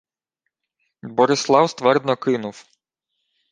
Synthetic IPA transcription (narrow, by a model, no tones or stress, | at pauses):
bɔɾɪslˠɑwst̪ʋɛrd̪nɔkɪnʊw